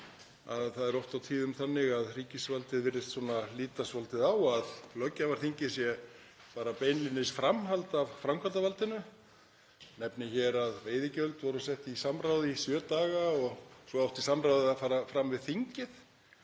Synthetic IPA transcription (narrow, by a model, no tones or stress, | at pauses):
aðθaðɛɾowft̪awt̪ʰiːðʏmθanːɪɣaðr̥iːcɪsvalt̪ɪðvɪɾðɪst̪suɔːnaliːt̪asvɔlt̪ɪðawaðlœcːavaɾ̥θiɲcɪsjɛ | paːɾapeːjnlinːɪsfɾamɦalt̪avfɾamkʰvalt̪avalt̪ɪnʏ | nɛpnɪçɛːɾaðveːjðɪcœlt̪vɔɾʏsɛht̪isamɾawðɪisjœːt̪aːɣaɔɣsɔawht̪isamɾawðɪafaːɾafɾamvɪðθiɲcɪθ